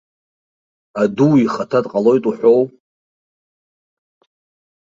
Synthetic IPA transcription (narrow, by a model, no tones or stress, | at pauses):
aduwiχatʰatʼqʼalo̞jtʼuħʷo̞w